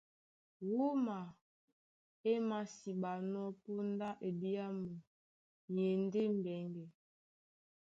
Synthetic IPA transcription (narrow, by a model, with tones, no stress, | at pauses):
wu˦ma˨ | e˦ma˨si˨ba˨nɔ˦po˦n˦da˦ʔe˨bi˦a˦mə˨ | ɲe˨n˦de˦m̩˨bɛ˨˦ŋɡɛ˨